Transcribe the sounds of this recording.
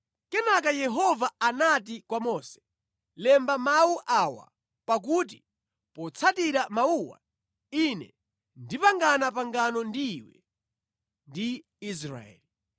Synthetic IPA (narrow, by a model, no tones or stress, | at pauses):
kɛnakajɛɦɔvaanatikwamɔsɛ̥ | lɛmbamawuʔawa̰ | pak̬ut̬i | pɔt͡sʰatiɾamauwa̰ | inɛ̰ | ndipaŋɡanapaŋɡanɔndiːwɛ̰ | ndi | is̬ɾa̰ɛ̰li